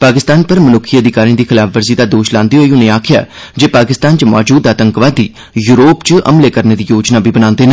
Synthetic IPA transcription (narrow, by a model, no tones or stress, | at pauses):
paːkɪst̪aːnpəɾmənʊkʰːiəd̪ɪkaːɾĩːd̪iːkʰɪlaːfʰʋəɾziːd̪aːd̪oːʃlãːnd̪iːɦoːiːʊnẽːaːkʰɪja̰ː | d͡ʒeːpaːkɪst̪aːnt͡ʃəmɔːd͡ʒuːd̪aːt̪əŋkʋaːd̪iː | juːɾoːpt͡ʃəʔə̰mleːkəɾneːd̪iːjoːd͡ʒnaːbiːbənãːnd̪eːnã